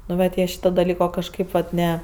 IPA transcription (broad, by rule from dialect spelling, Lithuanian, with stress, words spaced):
nʊ ˈʋɐt ˈjiɛ ˈʃʲiːtoː dɐˈlʲiːkoː ˈkɑːʃʲkʲeːp ʋɐt ˈnʲɛ